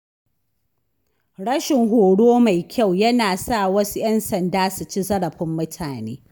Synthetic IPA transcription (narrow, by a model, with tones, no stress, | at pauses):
ɽɐ˦ʃɪ˨ŋɦoː˨ɽoː˦ma˨jkʲʰa˦˨wjɐ˦naː˨saː˦˨wɐ˦su˦jɐ˦nsɐ˨ndaː˦su˨t͡ʃi˦zɐ˦ɽɐ˨ɸɪ˦mːʊ˦tʰaː˨nḛː˦